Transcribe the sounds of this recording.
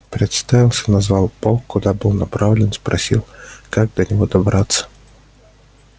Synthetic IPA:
pɾʲɪt̪st̪avʲilˠsʲɐnazvalˠpɔlˠkʊd̪abɨlˠnapɾavlʲɪnspɾɐ̰sʲilˠkaɡ̚d̪ɐnʲɪɦɔd̪ɐbɾat̪sːɐ̥

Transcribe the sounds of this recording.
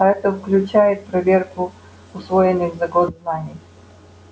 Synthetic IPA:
ɐɛt̪əfklʲʉt͡ʃajɪt̪̚pɾɐvʲerkʊ | ʊsvojɪnːɨxzɐɡozznanʲɪj

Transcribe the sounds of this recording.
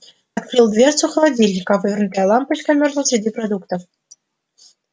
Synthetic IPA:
ɑt̪krɨlˠd̪vʲersuxə̆lˠɑdʲilʲnʲikɑvɨvʲɪrnutʲɑlˠɑmpɤɕkamʲerzə̆sʲɾʲɪdʲiprod̪ukt̪of

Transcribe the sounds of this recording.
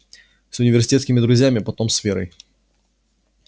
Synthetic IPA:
sʊnʲɪvʲɪrsʲɪtʲeɛt̪sʲkʲɪmʲɪd̪ɾʊzʲjamʲɪpɐt̪o̞msfʲeɾə̰j

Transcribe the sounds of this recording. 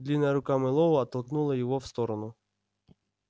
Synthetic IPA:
d̪lʲinɐjɐɾʊkamɪlˠɔʋɐɐt̪ɐlˠknulˠɐjɔʋɔwst̪ɔɾɐnʊ

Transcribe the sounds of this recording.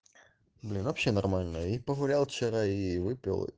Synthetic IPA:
blʲinvɐpʲɕːenɐrmalʲnəipəɣʊlʲalˠft͡ɕɪɾaivɨpʲɪ̰lˠ

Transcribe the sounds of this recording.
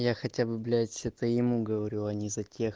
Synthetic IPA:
jaxɐtʲabɨblʲæsʲɛt̪əjɪmuɡəvɐɾʲuɐnʲizɐtʲe̞x

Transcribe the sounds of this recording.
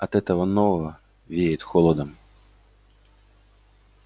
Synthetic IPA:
ɐt̪ɛt̪ɐʋɐnːɔɐ | ʋʲiet̪xɔlˠɔd̪ɐm

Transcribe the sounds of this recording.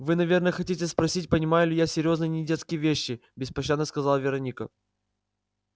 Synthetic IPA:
vɨnɐvʲe̞rnəjəxɐtʲitʲɪspɾɐsʲitʲpənʲɪmajʊlʲɪjasʲɪɾʲjo̞znɨjnʲɪdʲet̪skʲɪjəvʲeɕːɪbʲɪspɐɕːad̪nəskɐzalˠvʲɪɾɐnʲikə̰

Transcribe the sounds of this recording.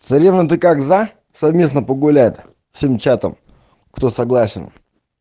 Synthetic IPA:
t̪sɐɾʲevnət̪̬ɨkakza | sɐvmʲe̞snəpəɡʊlʲæjt̪ʲ | fsʲe̞mt͡ɕat̪ə̰m | kt̪osɐɡlˠasʲɪ̰n

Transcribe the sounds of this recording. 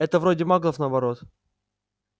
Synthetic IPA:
ɛt̪əvɾodʲɪmaɡlˠəfnəːbɐɾo̞t̪

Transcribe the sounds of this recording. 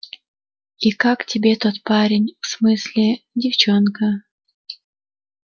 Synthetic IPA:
ikaktʲɪbʲet̪ot̪̚paɾʲɪnʲfsmɨsʲlʲɪdʲɪft͡ɕonkə

